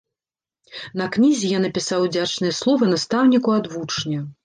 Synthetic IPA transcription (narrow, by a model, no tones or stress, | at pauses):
nɐknʲizʲijanːɐpʲisawd͡zʲat͡ʂnɨjɐslˠɔvɐnast̪awnʲikuad̪vut͡ʂnʲɐ